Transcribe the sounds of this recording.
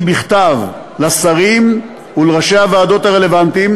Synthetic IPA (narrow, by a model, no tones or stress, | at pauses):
biχt̪av | lasaʁim | uleʁaʃe̞havaːd̪o̞t̪aʁe̞le̞vant̪im